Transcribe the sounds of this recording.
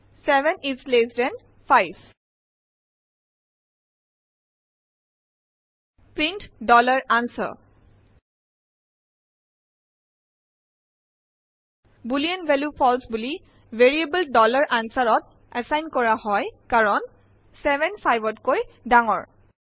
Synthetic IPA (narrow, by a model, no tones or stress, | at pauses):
sɛbɛnislesdɛn | pʰajb | pɹintdɔlaɹansɔ̰ | buliɛnvɛljupʰɔlsbuli | veɹiebəldɔlaɹʔansaɹɔt̚ | ɛsajnkɔɹahɔjkaɹɔn | sɛbɛnpʰajbɔtkojdaŋɔ̰ɹ